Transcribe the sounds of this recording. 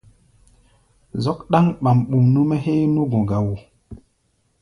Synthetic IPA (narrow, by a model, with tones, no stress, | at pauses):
zɔ˦kɗa˦ŋɓa˨mɓu˨mnu˦me˦ɦe˦nu˦ɡõ˨ɡa˨wu˨